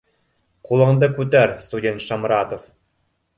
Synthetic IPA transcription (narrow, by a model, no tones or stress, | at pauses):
qulˠɑ̆nd̪ɤkut̪̬æɾst̪udʲent̪ʃɑmɾɑt̪of